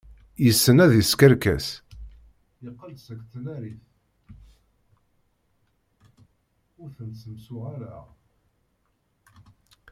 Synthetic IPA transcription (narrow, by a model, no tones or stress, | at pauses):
jəsːənæðiskəɾkæ̰s | iqːəlsækːθənæɾiθ | ʊɾθənsəmsʊʁaɾa